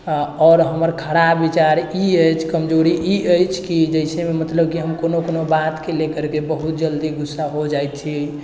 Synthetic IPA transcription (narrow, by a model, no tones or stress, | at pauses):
ɔɾɦəməɾkʰəɽabːit͡ʃaɾiəjt͡ʃʰkəmd͡ʒoɾiʔiəjt͡ʃʰkid͡ʒəɪsememət̪ləbkiɦəmkonokonobat̪kelekəɾkebəɦut̪̚d͡ʒəld̪iɡusːaɦod͡ʒajt̪̚t͡ʃʰi